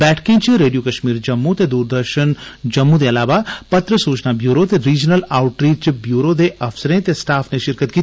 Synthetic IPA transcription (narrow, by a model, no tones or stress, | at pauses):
bɛːʈʰkẽt͡ʃiɾeːɖijokɐʃmiːɾd͡ʒɐmːut̪ed̪uːɾd̪əɾʃənd͡ʒɐmːũd̪eɐlaːʋapɐt̪ɾəsuːt͡ʃnabjuːɾot̪eɾiːd͡ʒnəlaːʊʈɾiːʈ̚t͡ʃbjuːɾod̪eʔɐfsəɾẽt̪esʈaːfʰneʃɪɾkət̪̚kit̪